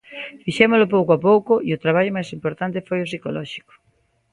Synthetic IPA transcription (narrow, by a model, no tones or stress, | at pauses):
fiʃemʊlʊp̬owkoapowkʊiʊt̪ɾaβ̞aʎʊmajsimpoɾt̪ant̪efojʊsikolɔʃi̥kʊ̥